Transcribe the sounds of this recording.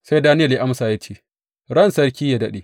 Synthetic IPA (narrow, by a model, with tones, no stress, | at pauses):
sa˦jdaː˦nɪ˦jɐ˨ja˦ʔa˦msaː˨ja˦t͡ʃeː˦˨ | ɽɐ˦nsɐ˦ɽkʲiː˦ja˦˨dɐ˦ɗe˨